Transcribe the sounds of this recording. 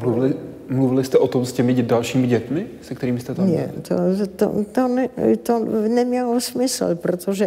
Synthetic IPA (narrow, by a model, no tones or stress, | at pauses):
muvɪɪ | mluvɪlɪst̪ɛʔot̪omscɛmɪɛdalʃiːmɪɟɛt̪mɪsɛkt̪ɛɾiːmɪst̪ɛt̪aɲɛ̰t̪ʰo̰t̪o̰t̪onɛt̪onɛmɲɛlosmɪsl̩pɾot̪oʒɛ